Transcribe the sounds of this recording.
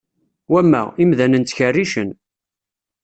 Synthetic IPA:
wæmːæ̰imðænənt̪çərːiʃən

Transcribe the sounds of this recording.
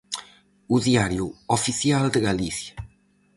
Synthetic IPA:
uðiaɾjuofiθjald̪eɣaliθja

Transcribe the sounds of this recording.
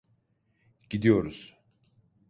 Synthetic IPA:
ɟid̪ijo̞ɾuz̥

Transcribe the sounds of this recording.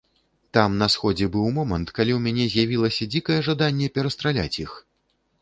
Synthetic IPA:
t̪amnɐsxɔd͡zʲɛbɨwmɔmɐnt̪kalʲiwmʲanʲɛzʲjavʲilˠɐsʲɐd͡zʲikɐjɛʐad̪anʲːɛpʲɛɾɐst̪ɾalʲa̰t͡sʲjix

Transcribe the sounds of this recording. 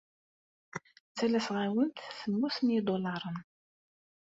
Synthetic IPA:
t͡sːælæsʁawənt̪θəmːusnid̪olɑɾˤən

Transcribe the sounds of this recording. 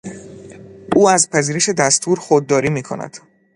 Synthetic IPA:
ʔuːæzpʰæziːɾeʃe̞d̪æst̪ʰuːɾxod̪ːɒːɾiːmiːkʰo̞̰næ̰d̪̥

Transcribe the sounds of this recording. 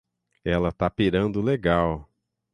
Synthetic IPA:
ɛlɐt̪apiɾɐ̃nd̪ʊleɡaw

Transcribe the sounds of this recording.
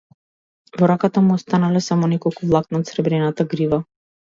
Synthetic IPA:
vɔɾakat̪amuɔst̪analɛsamɔnɛkɔlˠkuvlˠak̪̚naːt̪sɾɛbɾɛnat̪aɡɾiva

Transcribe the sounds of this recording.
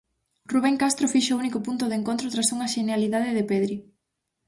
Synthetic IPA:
ruβ̞eŋkast̪ɾofiʃounikopunt̪ʊðeŋkont̪ɾot̪ɾasuŋɐʃenaliðaðɪðepeðɾi

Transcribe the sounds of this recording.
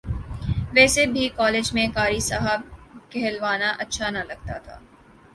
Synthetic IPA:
ʋɛːsebʱikɔːleːd͡ʒmẽkaːɾisaɦəb̚kɛɦɛlʋaːnaʔɐtːʃʰanɐlɐɡ̚t̪a̰t̪ʰa̰ː

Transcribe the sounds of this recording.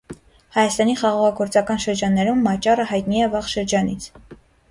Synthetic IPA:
hɑjɑst̪ɑniχɑʁɑʁɑɡɔɾt͡sɑkɑnʃəɾd͡ʒɑnːɛɾumːɑt͡ʃɑrəhɑjt̪niɛvɑʁʃəɾd͡ʒɑnit͡sʰ

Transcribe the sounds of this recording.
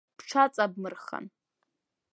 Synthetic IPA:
pʰʈ͡ʂʷʰat͡sʼab̚mɨrχa̰n

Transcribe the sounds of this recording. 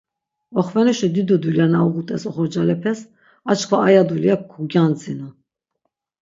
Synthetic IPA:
ɔχvɛnɛʃɛd̪id̪ud̪uljanauʁut̪ʼɛsɔχɔɾd͡ʒalɛpʰɛs | at͡ʃkʰvaːjad̪uliakkʰːuɡjand͡zinu

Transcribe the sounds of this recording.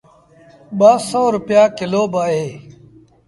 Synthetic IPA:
baːsoːɾʊpijaːkɪloːbaːɦeː

